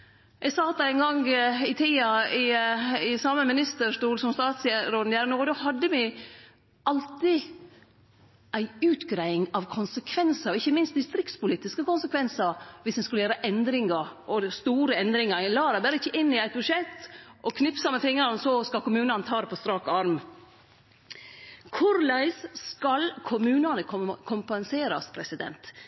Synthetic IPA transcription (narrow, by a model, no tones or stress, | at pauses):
ʔɛɡsɑːt̪d̪ɛæɪnŋɡɑŋɪt̪ʰiːɑɪɪsɑːməmɪnɪst̪əʂʈuːlsɔmst̪ɑːt̪sɛɾoːd̪n̩jæːɾnoːd̪ɔɦɑd̪ːəmɪ | ʔɑlt̪ɪ | ʔæɪʉːt̪ɡɾæɪɪŋɑʋkʰʊnsəkʰʋɛnsɑɾɔɪçːəmɪnst̪d̪ɪst̪ɾɪk̚t̪spʊliːt̪ɪskəkʊnsəkʰʋɛnsɑʋɪsd̪ɛnskʉləjæːɾəʔɛnd̪ɾɪŋɑɾɔst̪uːɾəɛnd̪ɾɪŋɑɾlɑːɾɑbæɾəɪçːəʔɪnːɪæɪt̪̚bʉʂɛt̪ːʔɔkʰnɪpsɑməfɪŋːɑɾnsɔskɑlkʊmʉːnɑnət̪ʰɑːd̪ɛpʰɔst̪ɾɑːkɔɑɾm | kʰʊɾlæɪsskɑlkʰʊmʉːnɑnəkʰʊmpɛnseːɾɑ̰spʰɾɛsɪd̪ɛ̰nt̪